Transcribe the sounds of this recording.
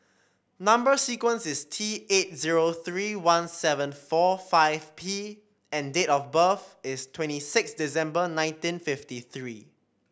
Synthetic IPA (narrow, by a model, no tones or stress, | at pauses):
nãmbəsikwə̃nsɪstʰiet̚ziɹoθɹiwãnsɛvə̃nfɔfaɪvpʰi | ɛ̃ndetɔfbəfɪstʰwɛ̃ntisɪksdisɛ̃mbənãɪ̃ntĩnfɪftiθɹi